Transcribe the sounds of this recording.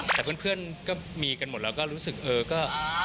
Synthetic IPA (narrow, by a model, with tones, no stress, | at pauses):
t̪ɛː˨˩pʰɯ˥˩ə˨pʰɯ˥˩ənkɔː˥˩miː˧ka˧nmo˨˩t̪̚ɾɛː˧wkɔː˥˩ɾuː˦˥sɯ˨˩k̚ʔɤː˧kɔː˥˩